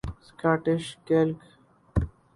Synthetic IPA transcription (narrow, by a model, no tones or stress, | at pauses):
skaːʈɪʃkelk